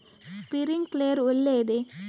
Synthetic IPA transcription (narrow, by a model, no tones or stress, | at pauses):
spɪɾɪŋkleːɾʊlːeːðɯ